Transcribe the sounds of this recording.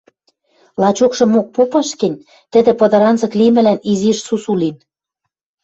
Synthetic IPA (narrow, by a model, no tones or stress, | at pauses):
lɑt͡ɕokʃɤ̆mok̚popɑʃkɘ̆nʲ | t̪ɘ̆d̪ĕpɤ̆d̪ɤ̆ɾɑnzɤ̆klimɘ̆læniziʃsusulin